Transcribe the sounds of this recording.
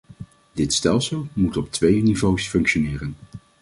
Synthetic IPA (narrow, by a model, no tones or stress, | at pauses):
dɪtstɛlˠsəlˠmutɔp̚tʋejnivowsfɵŋkʃonɪːrən